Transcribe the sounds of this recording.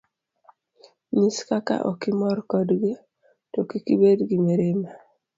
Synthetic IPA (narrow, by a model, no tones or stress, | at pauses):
ɲiskaka̰ʔo̰kimɔɾkɔdɡi | tokikibedɡimeɾema